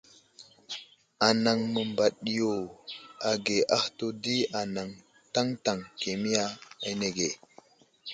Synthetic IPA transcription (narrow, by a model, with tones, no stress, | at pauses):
a˨na˨ŋmə˨mba˨ɗi˨jo˨a˨ɡe˨ʔa˦hto˦di˦a˨na˨ŋ | ta˦ŋta˨ŋke˨mi˦ja˦a̰˦ne˨ɡe˨